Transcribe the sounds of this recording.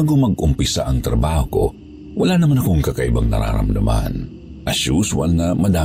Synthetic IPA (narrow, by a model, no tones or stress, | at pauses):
aɡomɐɡʔʊmpɪsa̰ʔɐŋt̪ɾɐbaːho̰ | wɐlaːnɐmanɐkoŋkɐkɐʔɪbaŋnɐ̰ɾa̰ːɾɐ̰md̪ɐma̰n | ʔɐʃuswɐ̰lŋɐmɐd̪aː